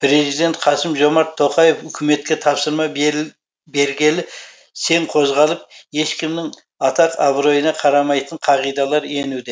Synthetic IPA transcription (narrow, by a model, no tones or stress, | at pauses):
pʰɾe̞zijd̪e̞nt̪qʰɑsɪmʒo̞mɑɾt̪ʰːo̞qɑjefʏkʲɪme̞t̪̚kʲe̞t̪ʰɑpsəɾmɑ | be̞ɾɡʲe̞lɪ | se̞ɴqʰo̞zʁɑlˠəp̚e̞ʃkʲɪmnɪŋ | ɑt̪ɑqɑbɾo̞jənɑqʰɑɾɑmɑjt̪əɴqʰɑʁijd̪ɑlˠɑɾe̞nud̪e